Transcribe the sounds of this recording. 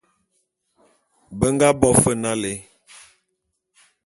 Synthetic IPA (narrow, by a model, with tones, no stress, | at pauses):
bə˦ŋɡa˦bɔ˦fə˦˨na˦le˨˦